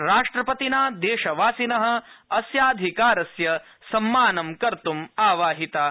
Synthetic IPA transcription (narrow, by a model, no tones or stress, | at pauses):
ɾaːʂʈɾɐpɐt̪inaːd̪eːʃɐʋaːsinɐɦɐ̆ɐsjaːd̪ʱikaːɾɐsjɐ | sɐmːaːnɐmkɐɾt̪umaːʋaːɦit̪aː